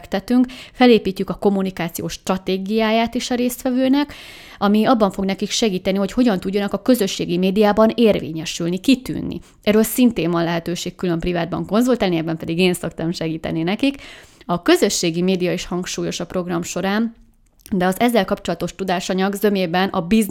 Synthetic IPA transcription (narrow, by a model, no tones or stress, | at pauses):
kt̪ɛt̪yŋkfɛleːpiːcːykɒko̞mːunikaːt̪sijoːʃːt̪rɒt̪eːɡijaːjaːt̪eːʃɒɾeːst̪ʋɛvøːnɛk | ɒmiɒbːɒɱfo̞ɡnɛkikʃɛɡiːt̪ɛniɦo̞cho̞ɟɒnt̪uɟːɒnɒkɒkø̞zø̞ʃːeːɡimeːd̪ijaːbɒneːrvḛːɲɛʃylnikit̪y̰ːnːḭ | ɛɾølsint̪eːmvɒnlɛɦɛt̪øːʃeːkːylø̞mprivaːd̪̚bɒ̰ŋko̞nzult̪ɛlnijɛbɛmpɛd̪iɡeːnso̞kt̪ɒmʃɛɡiːt̪ɛ̰ninɛkikɒkø̞zøʃːeːɡimeːd̪ijɒiʃhɒŋkʃuːjo̞ʃɒpro̞ɡrɒmʃo̞ɾaːn | d̪ɛɒzɛzːɛlkɒpt͡ʃo̞lɒt̪o̞ʃt̪ud̪aːʃɒɲɒɡzø̞meːbɛnʔɒbiz